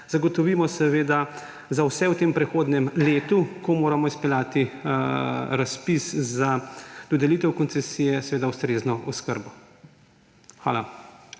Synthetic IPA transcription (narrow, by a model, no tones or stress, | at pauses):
z̥aɡɔt̪ɔʋiːmɔsɛʋeːd̪a | zawsɛwt̪eːmpɾɛxoːd̪nɛmleːt̪ukɔmoːɾamɔispɛlʲjaːt̪i | ɾaspiszad̪̥ɔd̪ɛliːt̪ɛwkɔnsɛsijɛsɛʋeːd̪awst̪ɾeːznɔʔɔskəɾbɔ | xʋa̰ːla